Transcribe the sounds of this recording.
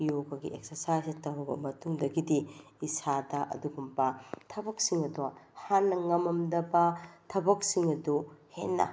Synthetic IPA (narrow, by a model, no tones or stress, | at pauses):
joɡɐɡḭeksɐɾsajsitɐwɾɐbɐ̰mɐtuŋdɐɡidi | isadɐʔɐ̰duɡumpɐtʰɐbɐk̚siŋɐduɐhanːɐŋɐmɐmdɐbɐtʰɐbɐk̚siŋɐduhenːɐ̰